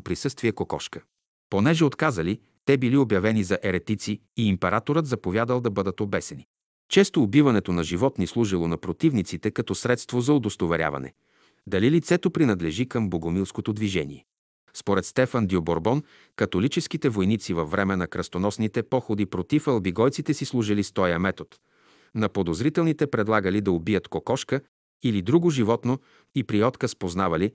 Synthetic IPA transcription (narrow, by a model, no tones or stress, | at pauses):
pɾisɤst̪viɛkokɔ̰ʃkə̥ | ponɛʒɛot̪kazəli | t̪ɛbiliobjɐvɛnizɐʔɛɾɛt̪it̪siːmpɛɾat̪oɾət̪zɐpovʲjad̪əlˠd̪ɐbɤd̪ət̪obɛsɛni | t͡ʃɛst̪oːbivɐnɛt̪onɐʒivɔt̪nislˠuʒilˠonɐpɾot̪ivnit̪sit̪ɛkɐt̪ɔsɾɛt̪st̪vozɐod̪ost̪ovɛɾʲja̰vɐ̰nɛ̰ | d̪ɐlilit̪sɛt̪opɾinɐd̪lɛʒikəmboɡomilˠskot̪od̪viʒɛnḭɛ | spoɾɛt̪st̪ɛfənd̪ioboɾbɔn | kɐt̪olit͡ʃɛskit̪ɛvojnit̪sivɐfːɾɛmɛnɐkɾɐst̪onɔsnit̪ɛpɔxod̪ipɾot̪ifɐlˠbiɡɔjt̪sit̪ɛsislˠuʒilist̪ɔjəmɛt̪ot̪ | nɐpod̪ozɾit̪ɛlˠnit̪ɛpɾɛd̪lˠaɡəlid̪ɐobijət̪kokɔʃkə | ilid̪ɾuɡoʒivɔt̪no | ipɾiɔt̪kəspoznavɐli